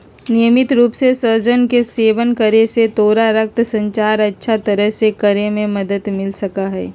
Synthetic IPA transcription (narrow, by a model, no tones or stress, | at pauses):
nijəmɪt̪ɾuːpsesəɾd͡ʒənkeseːʋənkəɾeset̪oːɾaɾək̚t̪sə̃ɲt͡ʃaːɾɐtːʃʰat̪ɐɾəɦsekəɾemẽməd̪ət̪mɪlsɐkaɦɛː